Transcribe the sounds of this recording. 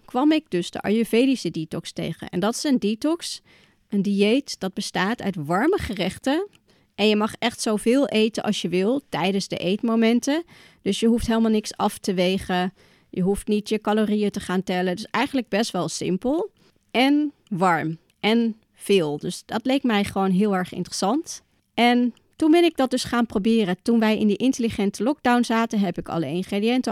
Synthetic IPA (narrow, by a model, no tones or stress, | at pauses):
kʋɑmɪɡ̚dɵsdə̰ʔɑ̰jøvejdisəditɔkstḛjχə̰nʔɛ̰ndɑtɪ̥sɛnditɔks | əndiejtd̥ɑd̚bəstaːtœ̰ɥtʋɑɹməχərɛχtə | ʔɛnjəmɑχɛχtsowvɪːlˠʔejtənʔɑ̰lˠsjəʋɪlˠtɛjdənzdə̰ʔejtmomɛntə | d̥ɵsjəɦuftɦeːləmalˠnɪksɑftəʋejχə | jəɦuftnitjəkɑloːrijətəχaːntɛləndʏsɛjχən̩ləɡ̚bɛstʋɛlˠsɪ̰mpəlˠ | ʔɛn | ʋɑɹm | ʔɛn | v̥ɪːlˠdøsdɑtlejk̚tmɛjχəʋoːnɦɪːlˠɛɹχɪ̰ntərəsɑnt | ʔɛn | tunbɪnɪɡ̚dɑt̚dɵsχaːnprobɪːrətunʋɛjɪ̰ndiʔɪntəliχɛntəlɔɡ̚dawnzaːtəɦɛpɪkɑ̰ləɪnχredijɛntə